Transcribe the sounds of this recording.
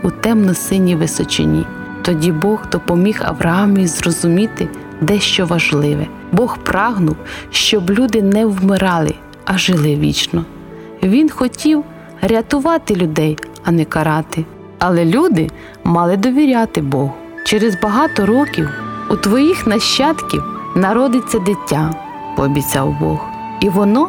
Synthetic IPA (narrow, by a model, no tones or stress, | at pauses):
ut̪ɛmnɔsɪnʲiʋɪsɔt͡ʃɪ̰nʲḭ | t̪ɔdʲibɔɣd̪ɔpɔmʲixɐ̰wɾɐɑmijizrɔzʊmʲit̪ɪ | d̪ɛʃt͡ʃɔʋɐʒlˠɪʋɛ | bɔxprʔɑɦnʊwʃt͡ʃɔblʲud̪ɪnɛwmɪɾɑlˠɪ̰ | ɐʒɪlˠɪʋʲḭt͡ʃnɔ | ʋʲinxɔtʲiw | ɾʲɐt̪ʊʋɑt̪ɪlʲʊd̪ɛj | ɐnɛkɐɾɑt̪ɪ | ɐlˠɛlʲud̪ɪ | mɑlˠɪd̪ɔʋʲiɾʲat̪ɪbɔɦ | t͡ʃɛɾɛzbɐɦɑt̪ɔɾɔkʲiwut̪ʋɔjixnɐʃt͡ʃːɑt̪kʲḭwnɐɾɔd̪ɪt͡sʲːɐd̪ɪtʲːa | pɔːbʲit͡sʲɑ̰wbɔ̰h | iʋɔnɔ